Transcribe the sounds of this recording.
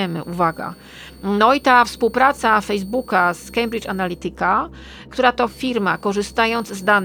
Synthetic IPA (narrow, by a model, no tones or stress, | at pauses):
ɛmɘ̰ʔuvaɡa̰ | nɔit̪afspuwpɾat̪safɛjzbukaskɛjmbɾit͡ʂanalʲit̪ɘka | kt̪uɾat̪ɔfʲiɾmakɔʐɘst̪ajɔnd̪zzd̪an